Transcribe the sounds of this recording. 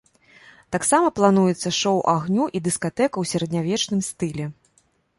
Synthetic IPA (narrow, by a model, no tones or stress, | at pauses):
t̪aksamɐplˠan̪ujɛt̪sːɐʂɔwʔaɣnʲuʔid̪ɨskat̪ɛkɐwsʲɐɾɐd̪ʲnʲavʲɛt͡ʂnɨmst̪ɨlʲɛ